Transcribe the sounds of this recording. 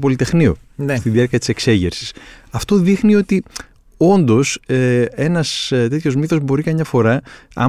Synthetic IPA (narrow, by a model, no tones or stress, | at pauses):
po̞lit̪e̞xnio̞̰ | nst̪iðiɐɾciɐt̪i̥se̞kse̞ʝḛɾsi̥sɐft̪o̞ðixnio̞t̪i | o̞nd̪o̞see̞nɐst̪e̞t̪ço̞zmiθo̞zbo̞ɾikɐmɲɐfo̞ɾɐɐ̰